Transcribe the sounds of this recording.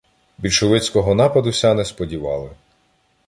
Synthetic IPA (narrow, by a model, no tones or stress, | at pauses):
bʲilʃɔʋɪt͡sʲkɔɦɔnɑpɐd̪ʊsʲanɛspɔdʲiʋɑ̰lˠɪ